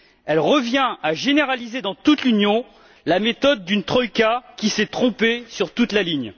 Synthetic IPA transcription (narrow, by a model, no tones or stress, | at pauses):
ɛlʁəvjɛ̃aʒeneʁalized̪ɑ̃t̪ut̪lynjɔ̃ | lamet̪ɔd̪̚ːynt̪χɔjkʲakʲisɛt̪χɔ̃pesyʁt̪ut̪laliɲ